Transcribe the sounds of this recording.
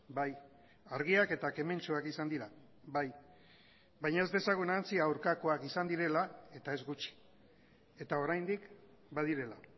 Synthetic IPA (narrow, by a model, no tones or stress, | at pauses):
baj | aɾɣ̞iake̞t̪ake̞me̞nt͡ʃuakisand̪iɾa | βaj | bajɲae̞zd̪e̞saɣ̞unant͡siawɾkako̞akisand̪iɾe̞lae̞t̪ae̞zɣut͡ʃi̥ | e̞t̪ao̞ɾajnd̪ik | bað̞iɾe̞la